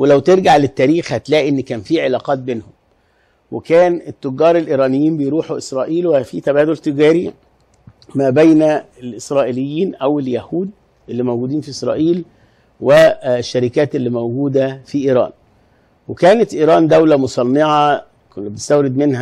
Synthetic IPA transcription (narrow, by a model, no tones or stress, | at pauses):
welæwt̪eɾɡaʕlet̪ːæːɾiːxhæt̪læːʔenːkæːnfiːʕelɑːqɑːt̪̚beːnhʊm | wekæːnet̪ːoɡːɑːɾˤelʔiːɾˤɑːnɪjːiːnbejɾuːħuʔɪsɾˤɑːʔiːlwefit̪æbæːd̪olt̪ɪɡæːɾi | mæːbæjnæ | elʔɪsɾˤɑːʔilɪjːiːnʔæweljæhuːd̪̚ | ʔelːimæwɡuːd̪iːnfiʔesɾˤɑ̰ːʔiːl | weʃːæɾikæːt̪elːimæwɡuːd̪æfiʔiːɾˤɑ̰ːn | wekæːnæt̪ʔiːɾˤɑːnd̪æwlæmʊsˤɑnːeʕɑ | bt̪e̥st̪æwɾed̪̚menhæ